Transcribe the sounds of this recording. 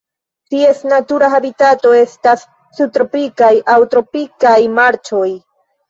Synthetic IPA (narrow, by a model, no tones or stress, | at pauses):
tie̞snatuɾaɦabitato̞e̞stasː | ut̪ɾopikajʔawtɾo̞pikajmaɾt͡ʃo̞j